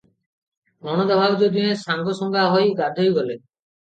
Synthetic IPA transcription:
mɔɽ̃od̪ɔbʱakd͡ʒod̪iẽsaŋɡɔsɔŋɡaɦɔjɡad̪ʱojɡole

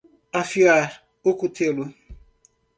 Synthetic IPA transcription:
afja | okutʰelo

